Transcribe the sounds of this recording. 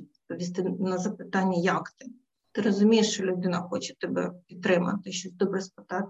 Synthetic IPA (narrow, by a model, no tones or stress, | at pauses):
pɔʋʲist̪ɪnɐzɐpɪt̪ɑnʲːɐjɑkt̪ɪ | t̪ɪɾɔzʊmʲijeʂt͡ʃɔlʲʊd̪ɪnɐxɔt͡ʃɛ̥t̪ɛbɛ̰pʲit̪̚t̪ːɾɪmɐ̰t̪ɪʃt͡ʃɔsʲd̪ɔbɾɛspɪ̥t̪ɑt̪